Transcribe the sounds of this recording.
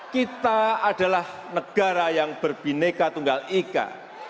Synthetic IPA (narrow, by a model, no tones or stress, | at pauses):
kit̪aada̤lah | nəɡ̥a̤ɾajaŋb̥ərb̥inekat̪uŋɡalika̰